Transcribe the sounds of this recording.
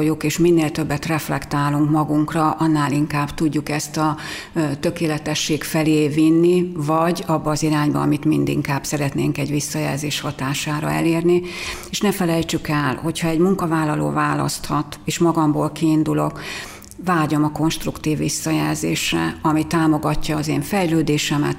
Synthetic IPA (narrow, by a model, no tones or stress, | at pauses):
jokeːʃminːeːlt̪ø̞bːɛt̪rɛflɛkt̪aːluŋkmɒɡuŋkrɒʔɒnːaːliŋkaːbt̪uɟːukɛst̪ɒ | t̪ø̞keːlɛt̪ɛʃːeːkfɛleːvinːivɒɟɒbːɒːziɾaːɲbɒɒmit̪mind̪ḭŋkaːb̥sɛɾɛt̪nḛːŋkɛɟʋisːɒjɛ̰lzeːʃhɒt̪aːʃaːɾɒ̰ɛ̰leːrnieːʃnɛfɛlɛjt͡ʃykɛlho̞cʰhɒɛɟmuŋkɒvaːlːɒlo̰ːvaːlɒ̰st̪hɒt̪eːʃmɒɡɒmboːlkiːnd̪ulo̞̰k | vaːɟo̞mɒko̞nʃt̪rukt̪iːvːisːɒjɛlzḛːʃrɛ̰ɒmit̪aːmo̞ɡɒcːɒːzeːɱfɛjløːd̪eːʃɛmɛ̰t̪